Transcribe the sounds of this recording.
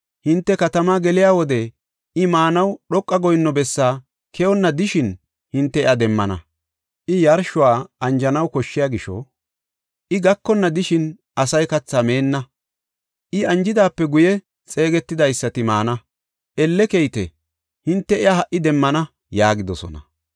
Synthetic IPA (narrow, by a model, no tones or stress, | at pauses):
hɪnt̪ːɛkɐt̪ɐmaːɡɛlɪjaːwɔd̪ɛ | ɪmaːnɐwɗɔkʼːɐɡɔjnːɔbɛsːaː | kʰɛɔnːɐd̪ɪʃɪn | hɪnt̪ːɛɪɐd̪ɛmːɐnɐ̰ | ʔɪjɐɾʃʊwaːɐnd͡ʒɐnɐwkɔʃːɪjaːɡɪʃɔ̰ | ʔɪɡɐkːɔnːɐd̪ɪʃɪn | ɐsɐjkɐt͡sːame̞ːnːɐ | ʔɪɐnd͡ʒɪd̪aːpːɛɡʊjɛ | t͡sʼe̞ːɡɛt̪ːɪd̪ɐjsːɐt̪ɪmaːnɐ | ʔɛlːɛkejt̪ɛ̰ | hɪnt̪ːɛɪahɐʔɪd̪ɛmːɐnɐ | jaːɡɪd̪ɔsɔ̰nɐ